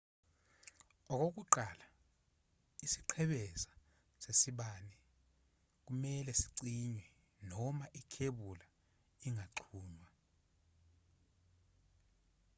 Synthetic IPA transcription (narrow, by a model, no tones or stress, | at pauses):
ɔk̬ʼok̬uǃala | isiǃʰɛɓɛsḁ | sesiɓanɛ | k̬umɛlɛsiǀiɲwɛ | nɔmaʔikʰeɓula | iŋaǁʰuːɲwa